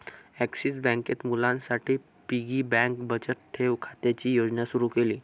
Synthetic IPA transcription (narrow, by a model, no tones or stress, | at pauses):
æksisbɛ̃ŋket̪mulãnsaʈʰiː | piɡiːbɛ̃ŋkbət͡ɕəɾʈʰːeʋkʰat̪jat͡ɕiːjod͡ʑnasuɾuːkeliː